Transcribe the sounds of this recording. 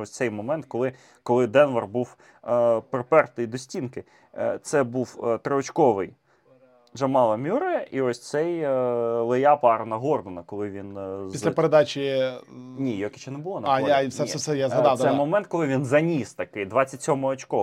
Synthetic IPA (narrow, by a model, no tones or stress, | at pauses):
ɔsʲt̪sɛjmɔmɛnt̪̚kɔlˠɪ | kɔlˠɪd̪ɛnʋɐrbuw | pɾɔpɛrt̪ɪjd̪ɔsʲtʲinkɪ | t̪sɛbuwt̪ɾɔɔt͡ʃkɔʋɪj | ʒɐmɑlˠɐmʲuɾɐjɛʔiɔsʲt̪sɛj | lˠɪjɑpɑɾɐnɐɦɔrd̪ɔnɐkɔlˠɪʋʲinzislʲpeɾed̪ɑt͡ʃʲi | nʲijɔkʲɪt͡ʃɛnɛbʊlˠɔnɐɑafssɛɛsɛjazɦɐd̪ɑw̪ɛjmɔmɛnt̪kɔlˠɪʋʲinzɐnʲist̪ɐkɪjd̪ʋɑt͡sʲːɐtʲsʲɔmɔɔt͡ʃkɔ